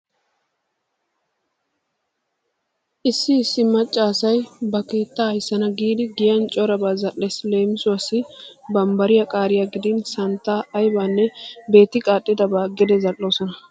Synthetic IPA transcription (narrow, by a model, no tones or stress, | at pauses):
ʔɪsːɪːsːɪmɐt͡ʃʼːaːsɐjbɐke̞ːt̪ːaːjsːɐnɐɡiːd̪ɪɡɪjɐnt͡ʃʼɔɾɐbaːzɐlːɛsle̞ːmɪsʊɐsɪbɐmbɐɾɪjɐkʼaːɾɪjaɡɪd̪ɪnsɐnt̪ːaːjbaːnːɛbe̞ːt̪ːɪkʼaːtʼːɪd̪ɐbaːɡɛd̪ɛzɐlːo̞ːsɔnɐ